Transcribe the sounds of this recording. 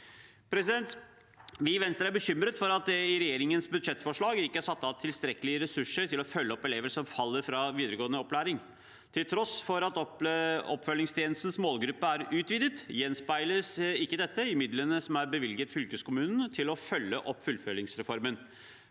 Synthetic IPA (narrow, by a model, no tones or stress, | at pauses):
pʰɾɛsɪd̪ɛnt̪ | ʋɪʋɛnst̪əɾæɾbəɕʏmɾət̪fɔɾɑt̪̚d̪ɛɪɾɛjeːɾɪŋənsbʉd̪ʂɛt̪ːfɔʂɭɑːɡɪkːəhæʂɑt̪ːɑʋt̪ʰɪlst̪ɾɛkəlɪəɾɛsʉʂəɾʈ̪ʰɪlɔfœlːəɔpːɛleːʋəsɔmfɑlːəɾfɾɑʋiːd̪əɾəɡoːənəɔpːlæːɾɪŋ | t̪ʰɪlt̪ʰɾɔsfɔɾɑt̪ɔɔpːfœlːɪŋst̪ʰjeːnl̩st̪n̩smoːlɡɾʉpːəæɾʉːt̪ʋiːd̪ət̪jɛnspæɪləsɪkːəd̪ɛt̪ːəɪmɪd̪lənəsɔmæɾbəʋɪlɡət̪fʏlkəskʊmʉːnn̩t̪ʰɪlɔfœlːəʔɔpːfʉlːfœlːɪŋsɾɛfɔɾmən